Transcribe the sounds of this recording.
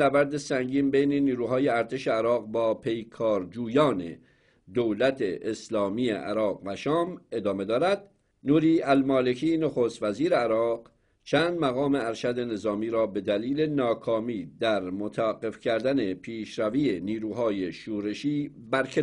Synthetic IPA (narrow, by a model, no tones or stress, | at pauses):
æbæɾd̪e̞sæŋɟiːmbejneniːɾuːɦɒːjeæɾt̪ʰeʃeæɾɒːɣbɒːpʰe̞jkʰɒːɾd͡ʒuːjɒːne̞̰ | d̪owlæt̪ʰeʔːslɒːmiːḛʔæ̰ɾɒːʁvæʃɒːme̞d̪ɒːme̞d̪ɒːɾæd̪ | nuːɾiːælmɒːle̞kʰiːnoxoːst̪væziːɾeæɾɒːq | t͡ʃʰæːnd̪mæɣɒːme̞æɾʃæd̪e̞ne̞zɒːmiːɾɒːbe̞d̪æliːle̞nɒːkʰɒːmiːd̪æɾmot̪ʰaæɡe̞fcʰæɾd̪æne̞pʰiːʃɾæviːeniːɾuːɦɒːjeʃuːɾe̞ʃiːbæɾkʰe